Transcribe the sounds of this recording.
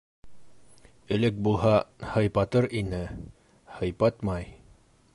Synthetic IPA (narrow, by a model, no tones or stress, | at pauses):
ɘ̆lɘk̚bulˠɦɑhɤ̆jpɑt̪ɤɾinɘ | hɤ̆jpɑt̪mɑj